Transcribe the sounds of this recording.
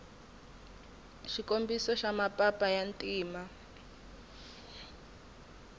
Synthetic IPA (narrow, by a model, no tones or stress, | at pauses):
ʃikombisɔʃamapʼapʼajantʼiːma